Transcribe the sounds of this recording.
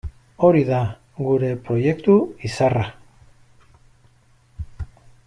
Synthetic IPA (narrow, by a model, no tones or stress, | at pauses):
o̞ɾiða | ɡuɾe̞pɾo̞je̞kt̪uisara